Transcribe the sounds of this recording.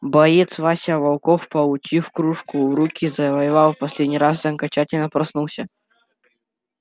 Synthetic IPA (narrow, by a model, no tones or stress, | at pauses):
bɐjet̪svasʲɪɐvɐlˠkofpɐlˠʊt͡ɕifkɾuʂkʊɾukʲizɐvɐjɪvalˠfpɐsʲlʲedʲnʲijɾas̬zɐŋkɐt͡ɕatʲɪlʲnəpɾɐsnulˠsʲə